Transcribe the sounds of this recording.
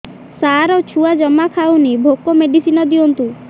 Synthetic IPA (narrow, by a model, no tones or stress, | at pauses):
saɾɔt͡ʃʰuad͡ʒɔmakʰaunibʱokɔmeɖisinɔd̪iɔnt̪u